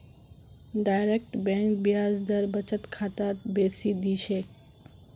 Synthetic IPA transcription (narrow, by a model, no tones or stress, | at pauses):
ɖajɾek̚ʈbɛ̃ŋk̚bijaːzd̪əɾbət͡ʃət̪kʰaːt̪at̪beːsid̪it͡ʃʰe